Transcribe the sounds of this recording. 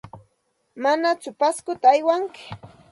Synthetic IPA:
manat͡sʊpaskʊt̪aːjwaŋkɪ̥

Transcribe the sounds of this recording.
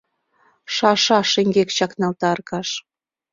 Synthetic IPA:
ʃɑʃɑʃeŋɡekt͡ɕɑknɑlt̪ɑrkɑʃ

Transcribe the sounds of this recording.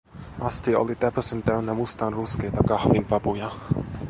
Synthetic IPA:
mastʰiɔ̰lˠidɛpʰɔsəndɛwnɛmʊstanrʊskɛdaɡahvɪnvabuja

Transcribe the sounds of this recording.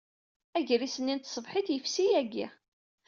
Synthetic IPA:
æʝɾisənːint̪sˤəvħiθjəfsijæɡḭ

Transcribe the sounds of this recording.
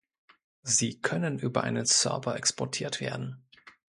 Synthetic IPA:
ziːkʰœnənʔyːbɐʔa̰ɪnənsœ̰ɐbɐʔɛkspɔɐtʰiːɐtv̥ḛːɐdn̩

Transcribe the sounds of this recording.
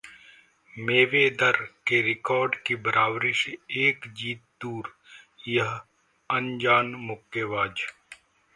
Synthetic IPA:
meːʋed̪əɾkeɾɪkɔːɾɖkibəɾaːwɾɪʃeːkd͡ʒiːt̪̚d̪uːɾ | jɐɦ | ɐ̃nd͡ʒaːnmʊkːeʋaːd͡ʒ

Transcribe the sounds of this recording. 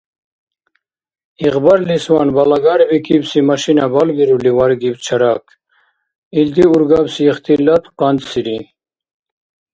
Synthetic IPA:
iqbaɾliswaːnbɐlaɡaɾbikibsimɐɕinabalbiɾuliwaɾɡibt͡ɕʰɐɾak | ild̪iuɾɡabsiːχt̪ilɐt̪qɑnd̪siɾi

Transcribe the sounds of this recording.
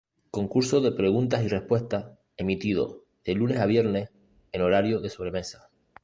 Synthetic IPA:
ko̞ŋkuɾso̞ðe̞pɾe̞ɣ̞unt̪asire̞hpwe̞ht̪a | e̞mit̪iðo̞̰ | ðe̞lune̞saβ̞je̞ɾne̞h | eno̞ɾaɾjoðe̞so̞β̞ɾe̞me̞sḁ

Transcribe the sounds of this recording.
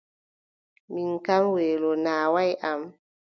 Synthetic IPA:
minkamweːlɔnaːwajʔam

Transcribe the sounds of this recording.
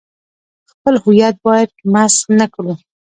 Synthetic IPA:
xpəlhʊjat̪̚bɑjad̪̚masnakɽu

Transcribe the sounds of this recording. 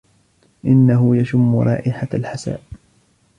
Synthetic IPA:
ʔɪnːaɦʊjaʃʊmːʊɾˤɑ̰ːʔɪħalħasa̰ːʔ

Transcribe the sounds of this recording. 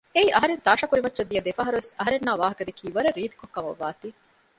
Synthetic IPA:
eiːʔɐɦɐɾent̪aːʂɐkuɾimɐtːʃɐd̪ːijɐd̪efɐɦɐɾuesɐɦɐɾenːaːʋaːɦɐkɐd̪ekʰiːʋɐɾɐɾiːd̪i̥kokːɐmɐ̰ʋːaːt̪iː

